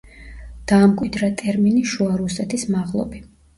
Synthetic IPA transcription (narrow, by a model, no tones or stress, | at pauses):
d̪̥aːmkʼwid̪ɾat̪ʼɛɾminiʃuaɾusɛt̪ʰismaʁlˠɔ̰bi